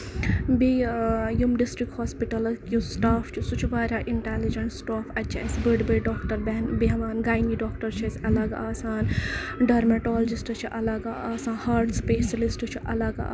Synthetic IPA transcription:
bijumɖisʈɾik̚hoːspiʈɐlkjusʈaːft͡ʃʰusut͡ʃʰbaːɾʲaːʔiɳʈeːlid͡ʒɐɳʈsʈoːfɐt͡ʃʰa̰sbəɖbəjɖoːkʈɐɾbenbeɦʋaːnɡaːjniɖoːkʈɐɾt͡ʃʰɐsʲɐlɐɡaːsaːnɖɐɾmeʈoːlɐd͡ʒisʈɨt͡ʃʰiʔɐlɐɡaaːsãːhaːɾʈspeːʃɐlisʈɨt͡ʃʰiʔɐlɐɡa̰

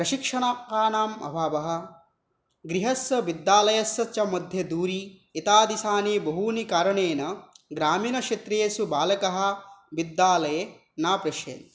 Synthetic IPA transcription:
pɾɐʃikʂɐɳaːpaːnaːmɐ̰bʱaːʋɐɦɐ̆ | ɡɾiɦɐsɐbid̪ːaːlɐjɐsɐt͡ʃɐmɐd̪ʱjɐd̪uːɾiːt̪aːd̪isaːneːbɐɦuːnikaːɾɐɳeːnɐɡɾaːmiːnɐʃet̪ɾeːsubaːlɐkɐɦɐ̆bid̪ːaːlɐje | naːpɾɐʃḛːd̪

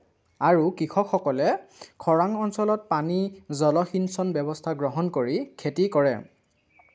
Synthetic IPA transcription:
aɹukɹixʰɔkxɔkɔlɛkʰɔɹaŋɔnsɔlɔt̚panizɔlɔxinsɔnbɛbɔstʰaɡɹɔɦɔnkoɹikʰetikɔɹɛ̰

